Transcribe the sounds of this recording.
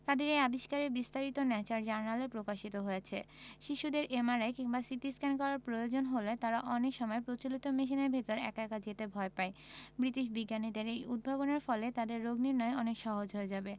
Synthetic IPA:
t̪ad̪eɾejabiʃkaɾebist̪aɾit̪onɛt͡ɕaɾd͡ʑaɾnalepɾokaʃit̪oɦojet͡ɕʰeʃiʃud̪eɾʔemaɾaekiŋbasit̪iskank̬ɔɾaɾpɾojod͡ʑonɦolet̪aɾaʔɔnekʃɔmɔepɾot͡ɕolit̪omiʃ̬ineɾbʱet̪oɾɛ̰kɛkad͡ʑet̪ebʱɔepaebɾit̪iʃbiɡːanid̪eɾejud̪̚bʱaboneɾfɔlet̪ad̪eɾːoɡniɾnɔeɔnekʃɔɦod͡ʑɦoed͡ʑabe

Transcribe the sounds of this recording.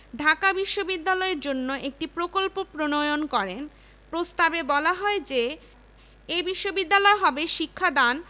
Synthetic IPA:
ɖʱakabiʃːobid̪ːalɔeɾd͡ʑonːoʔek̚ʈipɾokolpopɾonojonkɔɾen | pɾost̪abebɔlaɦɔed͡ʑe | ebiʃːobid̪ːalɔeɦɔbeʃikʰːad̪an

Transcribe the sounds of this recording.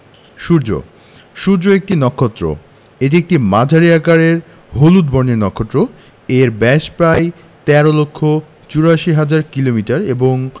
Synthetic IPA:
ʃuɾd͡ʑo̰ | ʃuɾd͡ʑoek̚ʈinɔkʰːot̪ːɾo̰ | eʈ̬iek̚ʈimad͡ʑʱaɾiakaɾeɾ | ɦolud̪̚bɔɾnenɔkʰːot̪ːɾo | eɾbɛʃpɾaj | t̪ɛɾolokʰːo | t͡ɕuɾaʃiɦad͡ʑaɾkilomiʈaɾeboŋ

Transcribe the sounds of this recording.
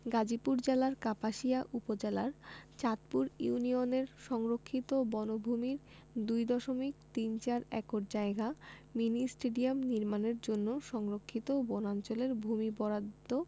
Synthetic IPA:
ɡad͡ʑipuɾd͡ʑelaɾkapaʃiaʔupod͡ʑelaɾt͡ɕat̪puɾiunioneɾʃɔŋɾokʰːit̪obɔnobʱumiɾ | d̪ujd̪ɔʃomikt̪int͡ɕaɾɛ̰koʈd͡ʑaeɡaminisʈeɖiamniɾmaneɾd͡ʑonːoʃɔŋɾokʰːit̪obɔnant͡ɕoleɾbʱumibɔɾad̪o

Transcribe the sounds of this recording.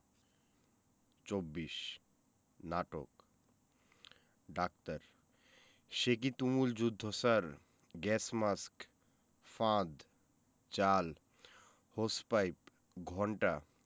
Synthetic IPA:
t͡ʃobːiʃ | naʈo̰k | ɖak̚t̪əɾ | ʃek̬it̪umuld͡ʑud̪ʱːosaɾ | ɡɛsmask | fãd̪ | t͡ʃal | hospajp | ɡʱɔɳʈa

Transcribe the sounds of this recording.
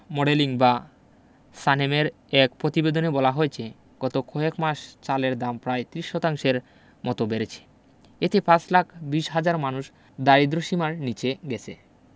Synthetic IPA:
mɔɽeliŋba | sanemeɾ | ɛk̚pɾot̪ibed̪onebɔlaɦoet͡ɕʰe | ɡ̥ɔt̪okʰoekmaʃt͡ɕaleɾd̪ampɾaet̪ɾiʃːɔt̪aŋʃeɾ | mɔt̪obeɾet͡ɕʰe̥ | et̪epãt͡ɕlakʰbiʃɦad͡ʑaɾmanuʃ | d̪aɾid̪ɾoʃimaɾnit͡ɕeɡɛt͡ɕʰḛ

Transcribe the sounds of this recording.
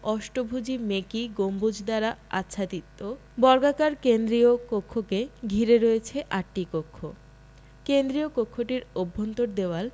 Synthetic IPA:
ɔʃʈobʱud͡ʑimekiɡombud͡ʑd̪aɾaa̰tːɕʰat̪it̪ːo | bɔɾɡakaɾkend̪ɾiokokʰːokeɡʱiɾeɾoet͡ɕʰeʔaʈːikokʰːo | kend̪ɾiokokʰːoʈiɾobʱːont̪oɾd̪eoal

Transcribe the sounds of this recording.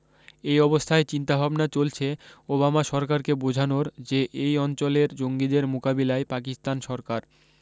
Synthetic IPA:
ejɔbost̪ʰaet͡ɕint̪abʱabnat͡ɕolt͡ɕʰeobamaʃɔɾkaɾkebod͡ʑʱanoɾd͡ʑeʔejɔnt͡ɕoleɾd͡ʑoŋɡid̪eɾmukabilaepakist̪anʃɔɾkaɾ

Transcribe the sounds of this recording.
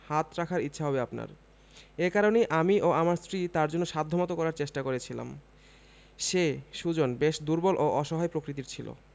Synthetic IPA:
hat̪ɾakʰaɾitːɕʰaɦɔbeapna̰ɾ | ekaɾonejʔamiʔoamaɾsɾit̪aɾd͡ʑonːoʃad̪ʱːomat̪okɔɾaɾt͡ɕeʃʈakoɾet͡ɕʰila̰m | ʃeʃud͡ʑonbeʃd̪uɾbolʔoʔɔʃɔɦaepɾokɾit̪̬iɾt͡ɕʰilo̰

